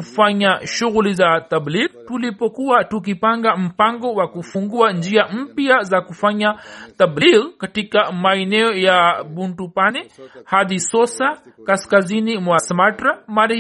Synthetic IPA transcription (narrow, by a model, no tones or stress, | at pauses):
kufaɲaʃuɣulizat̪abliɾtulipɔkuatuk̬ipaŋɡam̩paŋɡɔwakufuŋɡuand͡ʒiam̩piazakufaɲat̪ablilkatikamaɛnɛɔjabuntupanɛhaðisɔsakaskazinimwasmatɾamaɾ